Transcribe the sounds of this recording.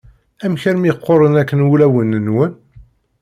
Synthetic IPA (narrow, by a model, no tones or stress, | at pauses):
æmçəɾmiqːoɾˤənækːənulæwənənwən